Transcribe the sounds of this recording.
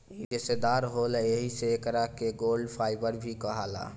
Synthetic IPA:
id͡ʒesed̪aɾɦolɛeɦiseːkɾakeɡolɖpʰaɪbəɾbʱikəɦala̰

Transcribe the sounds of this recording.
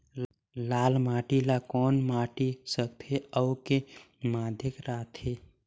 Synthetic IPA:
laːlmaːʈilakɔːnmaːʈisək̚t̪ʰeəwke | maːd̪ʱɪkɾaːt̪ʰɦeː

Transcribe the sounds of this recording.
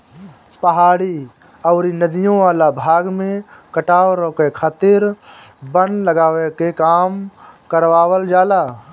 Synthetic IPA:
pəɦaːɽi | ɔːɾinəd̪ijõʋaːlabʱaːɡmẽkəʈaːɾokekʰaːt̪ɪɾbənləɡaːwekekaːmkəɾwaːwəld͡ʒaːlaː

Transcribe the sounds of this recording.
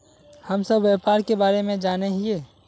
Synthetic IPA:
həmsəbʋepaːɾkebaːɾemẽd͡ʒaːneɦieː

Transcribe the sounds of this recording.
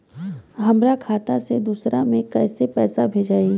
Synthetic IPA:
ɦɐmɾakʰaːt̪ased̪uːsɾamẽkɛːsepɛːsabʱeːd͡ʒaːe

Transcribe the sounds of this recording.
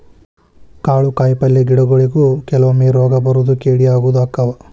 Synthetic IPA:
kaːɭukaːjpɐlːeɡiɽɐɡoɭiɡukɛlɐʋɐmeːɾaːɡɐbɐɾud̪ukeːɽiaːɡuːd̪aːkːɐʋɐ

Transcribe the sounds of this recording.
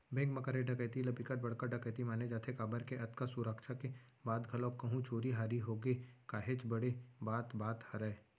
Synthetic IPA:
bẽkmɐkəɾeɖʱɐkəːt̪ilɐpikəʈ̚bɐɽ̤kəɖʱɐkəːt̪imaːned͡ʒaːt̪ʰekaːbəɾkeʔɐt̪kasuɾəkʃake | baːd̪ɡʱɐlokɐɦũt͡ʃoːɾiɦaːɾiɦoːɡekaːɦet͡ʃbɐɽebaːt̪baːt̪hɐɾəː

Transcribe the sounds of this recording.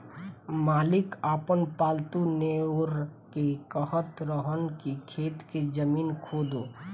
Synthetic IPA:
maːlɪkaːpənpaːlt̪uneɾkekəɦət̪ɾəɦənkikʰeːt̪ked͡ʒəmiːnkʰoːd̪oː

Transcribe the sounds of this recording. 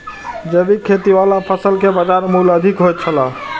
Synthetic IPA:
d͡ʒəbikʰet̪iʋalapʰəsəlkebəd͡ʒaɾmuləd̪ʱikɦojt̪̚t͡ʃʰəla

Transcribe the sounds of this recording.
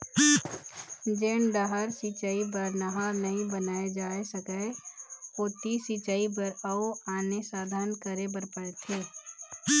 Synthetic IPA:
d͡ʒeːɳɖ̪aɦəɾsit͡ʃaːibəɾnəɦaːɾnɐɦĩbənaːed͡ʒaːesəkəeoːt̪isit͡ʃaːibəɾəoaːnesaːd̪ʱaːnkəɾebəɾpəɽt̪ʰeː

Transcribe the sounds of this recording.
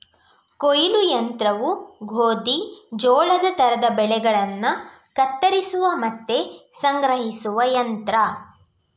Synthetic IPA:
kojilujɐnt̪ɾɐʋuɡʱoːd̪id͡ʒɔːɭɐd̪ɐt̪ɐɾɐd̪ɐbɛɭɛɡɐɭɐnːɐ | kɐt̪ːɐɾisuʋɐmɐt̪ːe̞sɐŋɡɾɐɦisuʋɐjɐnt̪ɾɐ

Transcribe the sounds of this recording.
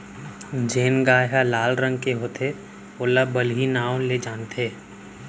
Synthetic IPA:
d͡ʒeːnɡaːɦalaːlɾə̃ŋɡkeɦoːt̪e | oːlabəlɦinãːled͡ʒaːnt̪ʰeː

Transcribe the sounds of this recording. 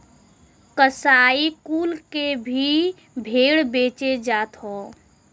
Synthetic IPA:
kəsaikuːlkebʱi | bʱeɽbeːt͡ʃed͡ʒat̪ɦɔ̃

